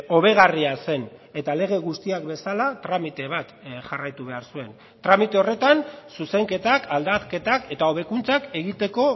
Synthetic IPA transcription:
o̞βe̞ɣ̞ariase̞ne̞t̪ale̞ɣ̞e̞ɣust̪iak̚be̞salat̪ɾamit̪e̞β̞at̪ʝarajt̪uβ̞e̞aɾsue̞n | t̪ɾamit̪e̞o̞re̞t̪ansuse̞ŋke̞t̪akald̪ake̞t̪ake̞t̪ao̞β̞e̞kunt͡sake̞ɣit̪e̞ko̞

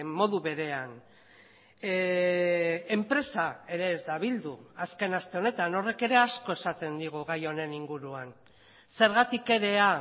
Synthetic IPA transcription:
mo̞ðuβe̞ɾe̞an | empɾe̞sae̞ɾe̞ːzd̪aβ̞ild̪uaske̞nast̪e̞o̞ne̞t̪ano̞re̞ke̞ɾe̞asko̞esat̪e̞nd̪iɣ̞uɣajo̞ne̞niŋɡuɾuan | se̞ɾɣat̪ike̞ɾe̞a

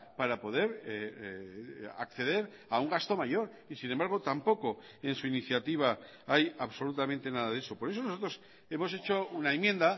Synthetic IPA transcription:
paɾapo̞ðe̞ɾ | a̰kθe̞ðe̞ɾ | auŋɡast̪o̞maʝo̞ɾ | isinembaɾɣ̞o̞t̪ampo̞ko̞ | e̞nsuiniθjat̪iβ̞a | ajaβso̞lut̪amẽnt̪e̞naðaðeso̞po̞ɾe̞so̞no̞so̞t̪ɾos | e̞mo̞se̞t͡ʃounaemjẽ̞nd̪a

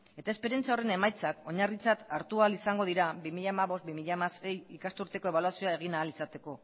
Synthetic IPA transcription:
e̞t̪aespe̞ɾiant͡saore̞ne̞majt͡sako̞ɲarit͡sat̪aɾt̪ualisaŋɡo̞ðiɾabimiʎamaβo̞st̪̚bimiʎamase̞jikast̪uɾt̪e̞ko̞e̞βalwasioae̞ɣ̞inaːlisat̪e̞ko̞

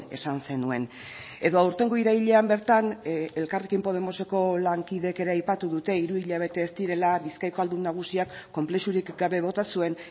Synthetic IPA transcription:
e̞̰sanse̞nue̞n | e̞ðo̞awɾt̪e̞ŋɡoiɾaβiʎe̞ambe̞ɾt̪ane̞lkarekimpo̞ð̞e̞mo̞se̞ko̞laŋkiðe̞ke̞ɾe̞ajpat̪uðut̪e̞iɾuiʎaβ̞e̞t̪e̞ːsd̪iɾe̞laβiskajko̞ald̪umnːaɣ̞usiakːo̞mple̞ʃuɾikɡaβe̞β̞o̞t̪asue̞n

